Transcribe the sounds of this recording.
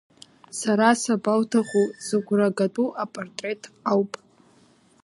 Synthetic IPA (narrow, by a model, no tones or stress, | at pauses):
saɾasabawtʰaχuzɨɡʷraɡatʼuʔapʼortʼre̞tʰʼawpʼ